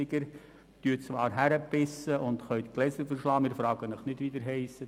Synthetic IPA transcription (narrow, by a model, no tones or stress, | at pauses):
ɪɡəɾ | t̪yːət͡sʋɑːɾɦæɾəpɪsːəʔʊnd̪χœjt̪klɛsəɾfəɾʃlɑːmɪːɾfɾɑːɡ̥ənəχnɪdʋid̪əɾɦɛɪsːə